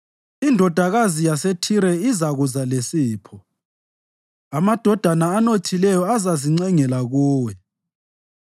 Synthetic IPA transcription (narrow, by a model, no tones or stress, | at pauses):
indʱɔd̥ʱaɣazijasetʰiɾɛizaɣuzalesiːpʰɔ | amad̥ʱɔd̥ʱanaːnotʰilɛjɔazaziŋ͡ǀɛŋɛlaɣuːwɛ